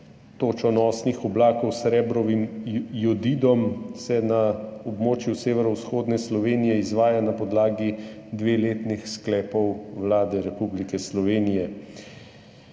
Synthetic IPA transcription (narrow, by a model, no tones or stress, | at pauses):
t̪oːt͡ʃɔnɔːsnixɔblaːkɔwsɾɛːbɾɔʋimjɔd̪iːd̪ɔmsɛnaɔbmoːt͡ʃjuseːʋɛɾɔwsxoːd̪nɛslɔʋeːnijɛizʋaːjanapɔd̪laːɡid̪ʋeːleːt̪nixsklɛːpɔwwlaːd̪ɛɾɛpublikɛslɔʋeːnijɛ